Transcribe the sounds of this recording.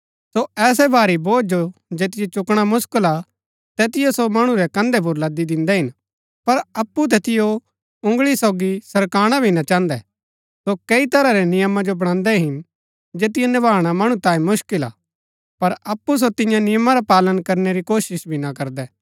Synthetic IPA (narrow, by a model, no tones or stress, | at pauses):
soɛːs̬ɛbʱaːɾiboːd͡ʒod͡ʒeːt̪ɪjet͡ʃʊkɽ̃amʊskəla | t̪ɛːt̪ɪjosomɐɽ̃ũɾɛkɐ̃nd̪ɛp̬ʊɾlɐd̪id̪ɪ̃nd̪ɛɦɪn | pɐɾɐpːut̪̬ɛːt̪ɪjo | ʊ̃ŋɡɭisɔːɡisɐɾkaːɽ̃abʱinat͡ʃãːnd̪ɛ | sokɐit̪ɐɾaɾɛnɪjəmad͡ʒobɐɽ̃ãːnd̪ɛɦɪn | d͡ʒeːt̪̬ɪjɛnɪbaːɽ̃amɐɽ̃ũt̪ãːĩmʊʃkɪla̰ | pɐɾɐpːus̬ot̪ɪ̃jãnɪjəmaɾapaːlənkɐɾneɾikoːʃɪʃbʱinakɐɾd̪ɛː